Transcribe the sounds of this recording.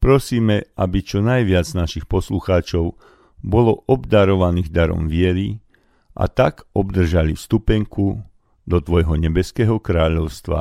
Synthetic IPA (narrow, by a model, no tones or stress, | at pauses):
pɾɔsiːmɛabit͡ʃɔnajʋɪad͡znaʃixpɔsluxaːt͡ʃɔʊ | bɔlɔʔɔbd̪aɾɔʋaniːɣd̪aɾɔ̰mʋɪɛɾi | ʔa̰t̪akɔbd̪r̩ʒalifst̪upɛŋku | d̪ɔt̪ʋɔjɦɔɲɛbɛskɛːɦɔkɾaːʎɔʊst̪ʋa̰